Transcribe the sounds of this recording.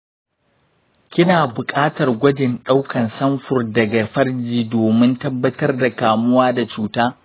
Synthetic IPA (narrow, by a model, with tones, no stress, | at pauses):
kʲɪ˦naː˨bʊ˨kʼaː˦tɐ˨rɡʷɐ˦d͡ʒɪ˨nɗa˦wkʰɐ˨nsɐ˦mɸʊ˨rdɐ˨ɡa˨ɸɐ˦rd͡ʒiː˨doː˨mɪ˦ntɐ˦bːɐ˦tɐ˦rda˨kaː˨mʊ˦waː˦da˨t͡ʃuː˦taː˦